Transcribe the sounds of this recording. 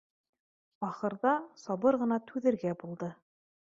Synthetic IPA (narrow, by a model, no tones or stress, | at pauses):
ɑχɤ̆ɾðɑsɑβɤɾʁɤ̆nɑt̪ʉðɘ̆ɾɡæbulˠd̪ɤ